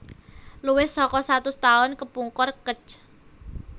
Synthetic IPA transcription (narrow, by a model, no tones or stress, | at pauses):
luwɪhsɔkɔsat̪ʊst̪aʊnkəpuŋkɔrkə̥t͡ʃ